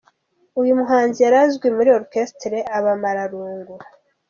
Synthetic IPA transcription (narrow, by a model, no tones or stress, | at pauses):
ujumuɦaːnzijaɾazɡwimuɾio̞ɾkestɾe̞aβamaɾaɾuːŋɡuɾa